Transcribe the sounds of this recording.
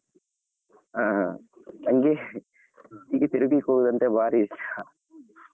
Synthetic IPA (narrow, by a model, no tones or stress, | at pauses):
aː | t̪ɐŋɡe | iːɡet̪iɾuɡikoɽud̪ɐnt̪ebʱaːɾisa